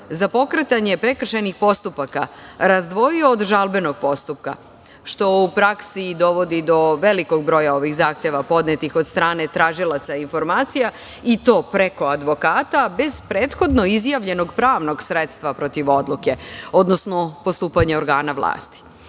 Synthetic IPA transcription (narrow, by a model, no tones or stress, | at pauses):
zapo̞kɾet̪aɲe̞pɾekr̩ʃenixpo̞st̪upakaɾazd̪ʋo̞ioːd̪ʒalˠbe̞no̞ɡ̚po̞st̪up̚ka̰ | ʃt̪o̞upɾaksid̪o̞ʋo̞d̪id̪o̞ʋeliko̞ɡ̚bɾo̞jao̞ʋixzaːxt̪e̞ʋapo̞d̪net̪ixod̪st̪ɾaːne̞t̪ɾaːʒilˠat̪sainfo̞ɾmaːt̪sija | it̪o̞ːpɾe̞ko̞ad̪ʋo̞kaːt̪abe̞z̥pɾeːt̪xo̞d̪no̞izjaʋʎe̞no̞ɡpɾaːʋno̞ɡsɾet̪st̪ʋapɾo̞t̪iʋo̞d̪lˠuke̞o̞d̪nosno̞post̪uːpaɲeoɾɡaːnaʋlˠa̰ːst̪i̥